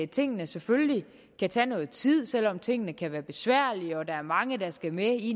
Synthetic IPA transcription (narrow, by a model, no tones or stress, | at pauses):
t͡sʰe̝ŋ̰ənəsefølli | kʰæt͡sʰɛːnɔ̽ːð̞̩ˠt͡sʰið̞̰ˠsel̰ɒ̽mt͡sʰe̝ŋ̰ənəkʰæʋæːɐb̥e̝sʋæɐ̰liɒ̽d̥ɑ̈æɐmɑ̈ŋəd̥ɑ̈sɡ̥æmei